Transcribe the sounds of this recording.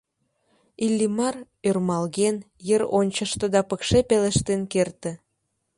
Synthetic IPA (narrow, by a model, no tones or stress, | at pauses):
ilʲːimɑr | ørmɑlɣen | jəɾonʲt͡ɕə̆ʃt̪ə̆d̪ɑpəkʃepeleʃt̪enkert̪ĕ